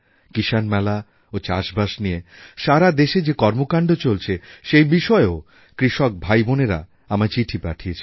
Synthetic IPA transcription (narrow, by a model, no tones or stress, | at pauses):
kiʃanmɛla | ot͡ɕa̰ʃbaʃnieʃaɾad̪eʃed͡ʑekɔɾmokaɳɖot͡ɕolt͡ɕʰeʃejbiʃɔeo | kɾiʃɔk̚bʱajboneɾa̰ | amaɾt͡ɕiʈʰipa̰ʈʰijet͡ɕʰe